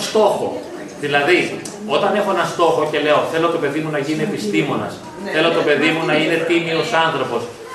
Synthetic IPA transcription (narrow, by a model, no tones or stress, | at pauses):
st̪o̞xo̞̰ | ðilɐði | o̞t̪ɐne̞xo̞enɐst̪o̞xo̞ce̞le̞o̞θe̞lot̪o̞pe̞ðimunɐʝinie̞pist̪imo̞nɐ̰s | θe̞lo̞t̪o̞pe̞ðimunɐine̞t̪imio̞sɐnθɾo̞po̞s